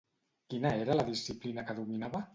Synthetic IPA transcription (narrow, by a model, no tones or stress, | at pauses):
kinəeɾələðisiplinəkəðuminaβə